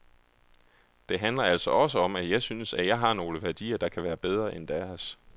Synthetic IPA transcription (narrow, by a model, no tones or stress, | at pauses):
d̥e̝ɦænlɐæl̰sɒɒ̽s̬əɒ̽mæjɑ̈ɪsynəsæjɑ̈ɪɦɑ̈no̝ːləʋæɐd̥ḭːɐd̥ɑ̈kʰæʋæːɐb̥eð̞ˠʁɐʔend̥æɐs